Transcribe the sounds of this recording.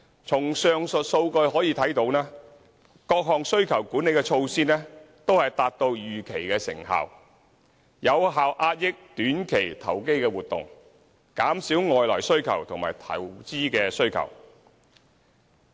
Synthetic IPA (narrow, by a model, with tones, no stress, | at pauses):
t͡sʰʊ˨˩ŋsœː˨˧ŋsɵ˨t̚so˧wkɵ˧ɥɦɔː˨˥jiː˨˧t̪ʰɐ˨˥jt̪o˨˧wnɛː˥ | kɔː˧k̚ɦɔː˨ŋsɵ˥ɥkʰɐ˨˩wkuː˨˥ne˨˧jkɛː˧t͡ʃʰo˧wsiː˥nɛː˥t̪o˥whɐ˨jt̪aː˨t̚t̪o˧wjyː˨kʰe˨˩jkɛː˧sɪ̰˨˩ŋɦa̰ː˨w | jɐ˨˧wɦaː˨wʔaː˧t̚jɪ˥k̚t̪yː˨˥nkʰe˨˩jt̪ʰɐ˨˩wke˥jkɛː˧wuː˨˩t̪ʊ̰˨ŋ | kaː˨˥msiː˨˥wŋɔː˨jlɔː˨˩jsɵ˥ɥkʰɐ̰˨˩wt̪ʰʊ˨˩ŋmaː˨˩jt̪ʰɐ̰˨˩wt͡siː˥kɛː˧sɵ˥ɥkʰɐ̰˨˩w